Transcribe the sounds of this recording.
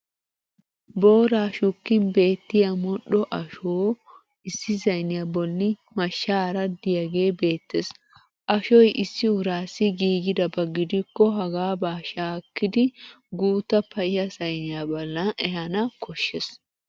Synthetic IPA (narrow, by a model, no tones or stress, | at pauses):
bo̞ːɾaːʃʊkːɪnbe̞ːt̪ːɪjɐmɔɗɔʔɐʃoː | ɪsːɪzɐjnɪjabɔlːɪmɐʃːaːɾɐd̪ɪjɐɡe̞ːbe̞ːt̪ːes | ʔɐʃɔjʔɪsːɪʊɾaːsːɪɡiːɡɪd̪ɐbɐɡːɪd̪ɪkːɔɦɐɡaːbaːʃaːkːɪd̪ɪ | ɡuːt̪ːɐpɐʔɪjɐsɐjnɪjaːbɐlːɐɛɦɐnɐkɔʃːɛs